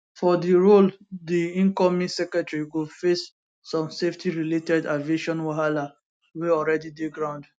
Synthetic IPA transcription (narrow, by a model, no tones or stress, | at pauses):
fɔdiɹoldiĩnkɔmĩsɛkɹɛtɹiɡofesː | ɔ̃mseftʰiɹiletɛdaveʃɔ̃nwaɦala | weɔlɹɛdideɡɹãʊ̃nd